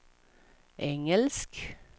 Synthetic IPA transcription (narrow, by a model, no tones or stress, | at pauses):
ʔɛŋəlsk